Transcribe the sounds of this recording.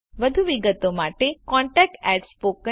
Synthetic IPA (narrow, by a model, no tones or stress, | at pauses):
ʋəd̪ʱuʋiɡət̪omaʈekɔ̃ɳʈɛk̚ʈɛɖspokə